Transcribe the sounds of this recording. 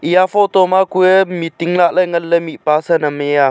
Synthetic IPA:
ʔijafot̪omakuemit̪iŋlaʔləŋələmiʔpasənəmeja

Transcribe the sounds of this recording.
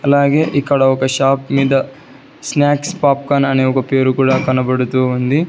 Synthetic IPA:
ɐlːaːɡeːʔikːɐɽɐɔkɐʃaːpmiːd̪ɐ | snaːkspaːp̚kaːnɐneɔkɐpeːɾukuːɽɐkɐnɐbɐɽut̪ːuɐnd̪i

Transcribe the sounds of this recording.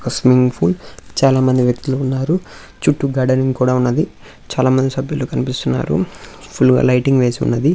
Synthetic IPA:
kɐsmiŋɡpʰult͡ʃaːlaːmɐnd̪iʋjɐk̚t̪uluːnːaːɾu | t͡ʃuʈːuɡɐːɖɐɾiŋɡkuːɽaːunːɐd̪i | t͡ʃaːlaːmɐnd̪isɐbʱjuloːkɐnipist̪unːa̰ːɾṵ | pʰulɡa̰ːlɐjʈiŋɡʋe̞ːsiṵnːɐd̪i

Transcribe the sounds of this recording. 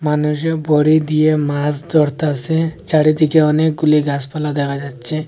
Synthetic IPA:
manuʃ̬ebɔɽid̪iemas̬d̪ɔɽt̪aset͡ʃaɽid̪ikeɔnek̚ɡuliɡaspalad̪ɛkʰad͡ʒatːt͡ʃʰe

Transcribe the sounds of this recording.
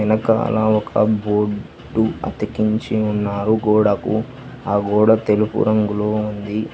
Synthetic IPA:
ɐnɐkɐɐ̰laːɔkʰɐ̰boː | ɖuɐ̰t̪ikiɲt͡ʃiunːaːɾuɡɔːɽɐkṵ | aːɡɔːɽɐt̪elupṵɾɐŋɡuloːund̪i

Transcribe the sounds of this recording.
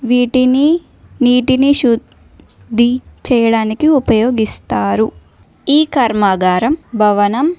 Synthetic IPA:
ʋiːʈini | niːʈiniʃud̪ | d̪ʱːit͡ʃɛːjɐɽaːnikiupɐjoːɡist̪aːɾu | iːkɐɾmaːɡaːɾɐmbʱɐʋɐnɐm

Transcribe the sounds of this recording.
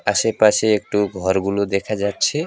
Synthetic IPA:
asepaseːk̚ʈuɡʱɔɾɡulod̪ekʰad͡ʒatːt͡ʃʰe

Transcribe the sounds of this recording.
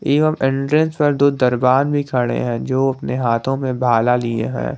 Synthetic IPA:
iːʋəmʔɪ̃ɳʈɾə̃nspɐɾd̪oːd̪ɐɾbaːnbʱikʰɐɽḛɦɛ̃d͡ʒoːɐpneɦaːt̪ʰõmẽbʱaːlaliḛɦɛ̰̃ː

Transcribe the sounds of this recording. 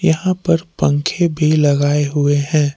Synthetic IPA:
jɐɦãpɐɾpə̃ŋkʰebʱilɐɡaːeɦʊeɦɛ̃ː

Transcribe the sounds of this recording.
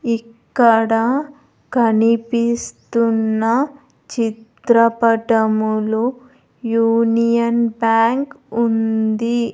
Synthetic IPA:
ikːɐɽɐ | kɐnipist̪unːɐ | t͡ʃit̪ɾɐpɐʈɐmulu | juːnijɐnbjaːŋkund̪i

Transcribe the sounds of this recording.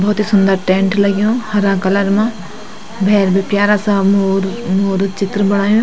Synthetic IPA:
bɔːt̪iːsʊnd̪əɾʈẽːɳʈləɡjõːhɐɾãːkələɾmãː | bʱɛːɾbepjaːɾaːsãmoɾmoːɾt͡ʃɪt̪ɾəbəɽ̃aːjõː

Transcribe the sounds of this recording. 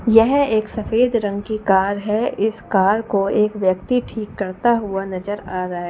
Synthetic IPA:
jɛɦeːksɐfeːd̪ɾɐ̃ŋɡkikaːɾɦɛɪskaːɾkoeːkʋjək̚t̪iʈʰiːkːɐɾt̪aɦʊanɐd͡ʒəɾaːɾaɦɛ

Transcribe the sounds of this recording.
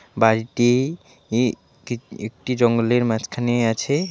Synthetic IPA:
baɾiʈi | kiek̚ʈid͡ʒɔŋɡoleɾmãt͡ʃkʰaneat͡ʃʰe

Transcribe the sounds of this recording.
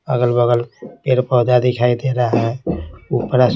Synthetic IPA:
əɡəlbəɡəlpeɾpəɦd͡ʒad̪ikʰaid̪eɾaɦɛ̃upɾas

